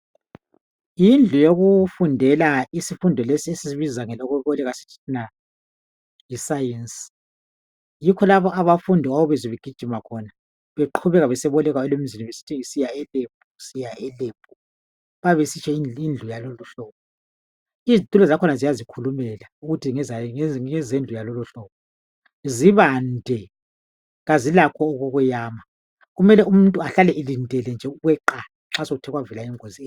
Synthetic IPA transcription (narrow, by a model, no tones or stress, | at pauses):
jind͡ɮʱujoɣufundʱɛlaisifundʱɔlesiesisiβizaŋɛlɔɣɔβɔlɛɣasi̥tʰi̥tʰina | jisajensi̥ | jikʰɔlaβɔʔaβafundʱiɣawɔβɛziβeɡ̥ʱid̥ʒ̥ʱimakʰɔna | βeǃʰuβɛɣaβɛsɛβɔlɛɣaɛlem̩ziniβesi̥tʰiŋisijaɛleb̥̚ʱʼusijaɛleb̥̚ʱu | βaβesit͡ʃʰɛiind͡ɮʱujaloluɬɔːpɔ | izit̪ʼulɔzakʰɔnazijazikʰulumɛlauɣutʰiŋɛzaɛzend͡ɮʱujaloluɬɔːβɔ | ziβandʱɛ | ɣazilakʰɔːɣoɣujaːma | ɣumɛlɛum̩ntʼuaɬalɛʔelindʱɛlɛnd͡ʒʱɛuɣwɛǃa | ŋ͡ǁasoɣutʰɛɣwavɛlaiŋozi